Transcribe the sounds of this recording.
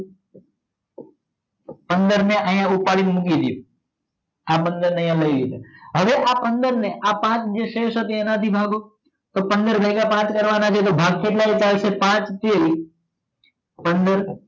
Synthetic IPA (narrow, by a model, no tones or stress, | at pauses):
pənd̪əɾneʔəjãupaɭinmukid̪jṵ | apənd̪əɾnəɦjãləiʋit̪eɦəʋeʔapənd̪əɾneʔapãt͡ʃd͡ʒeʃeʃət̪eẽnət̪ʰibʱaɡo | t̪opənd̪əɾbʱəɡapãt͡ʃkəɾʋanat͡ʃʰet̪̬obʱaɡ̚k̪ʰeʈlait͡ʃalsepãt͡ʃt̪el | pənd̪əɾ